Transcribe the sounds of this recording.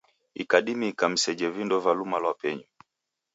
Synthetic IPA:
ikaɗimikam̩sɛd͡ʒɛvindɔvalumalwapɛɲɔ

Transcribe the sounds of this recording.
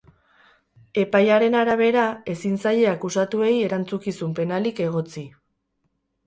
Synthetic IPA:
e̞pajaɾe̞naɾaβ̞e̞ɾae̞sinsaje̞akusat̪ue̞je̞ɾant͡sukisumpe̞nalike̞ɣ̞o̞t͡si

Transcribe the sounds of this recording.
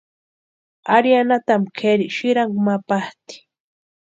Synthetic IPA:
aɾjanat̪amkʰeɾiʃɪɾaŋkmapaht̪i̥

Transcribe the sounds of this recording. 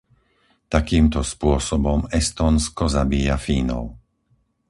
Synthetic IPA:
t̪akiːmt̪ɔspʊɔsɔbɔmɛst̪ɔːnskɔzabiːjafiːnɔ̰ʊ

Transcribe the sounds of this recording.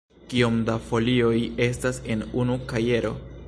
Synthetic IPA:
kiomdafo̞lio̞je̞stase̞nunukaje̞ɾo̞̰

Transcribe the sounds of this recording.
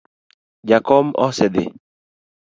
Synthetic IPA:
d͡ʒakɔmɔ̰sɛd̪ɪ̰

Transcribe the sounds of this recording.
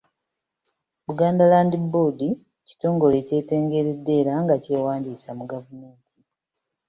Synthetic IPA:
luɡaːndalaːndibodi | ci̥to̞ːŋɡo̞le̞ce̞ːte̞ːŋɡe̞ɾedːe̞ːɾaŋɡace̞ːwaːndiːsamuɡavume̞ːntʰi̥

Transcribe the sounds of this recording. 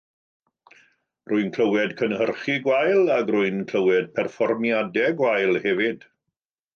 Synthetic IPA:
ruɨnkʰl̥əwɛdkʰənhərχiɡwajlˠaɡruɨnkʰl̥əwɛd̚pʰɛrfɔrmjadɛɡwajlˠhɛvɪd̥

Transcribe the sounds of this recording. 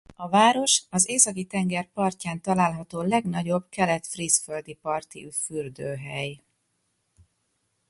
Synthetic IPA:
ɒvaːɾo̞ʃɒzeːsɒkit̪ɛŋɡɛrpɒrcaːnt̪ɒlaːlɦɒt̪oːlɛɡnɒɟo̞bkɛlɛt̪frisføld̪ipɒrt̪ḭyfyrd̪øːɦɛj

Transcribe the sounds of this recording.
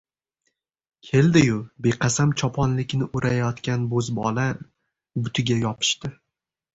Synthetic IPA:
kʲʰe̞ld̪ɪjʊbeqʰɑsamt͡ʃʰɒpʰɒnlɪkʲnɪʔʊɾʔajɒt̪kʲanbɵzbɒla | bʊt̪ʰɪɡʲajɒpʰɪ̥ʃt̪ɪ

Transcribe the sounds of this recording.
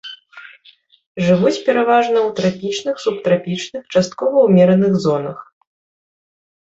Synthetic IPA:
ʐɨvut͡sʲpʲɛɾavaʐnɐwt̪ɾapʲit͡ʂnɨxsupt̪ɾapʲit͡ʂnɨxt͡ʂast̪̚kɔvɐwmʲɛɾɐnɨɣzɔnɐx

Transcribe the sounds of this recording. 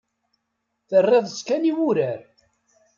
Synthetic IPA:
θərːeðˤəskæniwuɾæɾ

